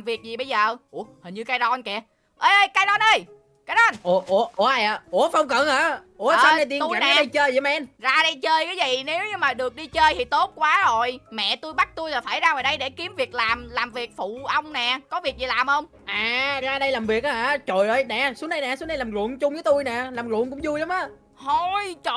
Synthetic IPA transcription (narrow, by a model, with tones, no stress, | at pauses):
mvi˨˩ək̚zi˨˩ɓə˧jzəː˨˩ʔu˧˩hə˨˩ɲɨ˧kaː˨˦jɗɔ˧nkɛ˧˨˩ | ʔəː˧jʔəː˧jkaː˨˦jɗɔ˧nʔə˧j | kaː˨˦jɗɔ˧nʔo˨˩ʔo˨˩˦ʔʔaː˧˩jʔaː˨˩ʔo˧˩fɔ˧wŋ͡mkə˧˨nəː˨˦ʔo˧˦a˧na˧jt̪i˧˨n˨˦˨i˧jt͡ɕəː˧jzmɛ˧˥nzaː˧ɗə˧jt͡ɕəː˧jkaː˨˦jzi˨˩ne˨˦wɲɨ˧ŋmaː˨˩ɗɨ˨˩ək̚ɗi˧t͡ɕəː˧jt̪ʰi˨˩t̪o˦˥t̚kwaː˨˦zo˨˩jmɛ̰˧˨t̪u˧jɓa˦˥t̚t̪u˧jlaː˨˩faː˧˩jzaː˧vəː˨˩ɗə˧jɗe˧˩ki˨˦əmvi˨˩ək̚laː˨˩mlaː˨˩mvi˨˩ək̚fṵ˧˨ʔə˧wŋ͡mnɛ˨˩kɔ˨˦vi˨˩ək̚zi˨˩laː˨˩mhə˧wŋ͡m | ʔaː˨˩zaː˧ɗə˧jlaː˨˩mvi˨˩ək̚ʔaː˨˧aː˧˦t͡ɕo˨˩jʔəː˧jnɛ˨˩su˨˦əna˧jnɛ˨˩su˨˦na˧jlaː˨˩mlṵ˧˨ənt͡ɕʊ˧ŋ͡mvəː˨˦t̪u˧jnɛ˨˩laː˨˩mlwṵ˧˨ənkʊ̰˧˥ŋ͡mzu˧jla˨˦ŋ͡mʔaː˨˦ | ho˧˩jt͡ɕo˧˨